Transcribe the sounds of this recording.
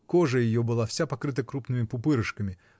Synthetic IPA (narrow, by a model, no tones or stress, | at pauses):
koʐəjɪjobɨlˠafsʲapɐkɾɨt̪əkɾupnɨmʲɪpʊpɨɾɨʂkəmʲɪ